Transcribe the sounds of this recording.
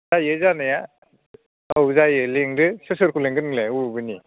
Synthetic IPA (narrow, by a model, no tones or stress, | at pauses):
zajɯzanaja | awzajɯleŋɾɯsɯsɯɾkʰuleŋɡɯnleubɯni